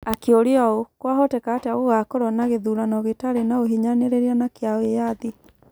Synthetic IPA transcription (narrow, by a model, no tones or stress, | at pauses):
akeoɾeɔokwaɦotekaːtaɣoɣakoɾɔnaɣeðuɾanɔɣetaɾenaoɦiɲaneɾeɾianakeaoejaði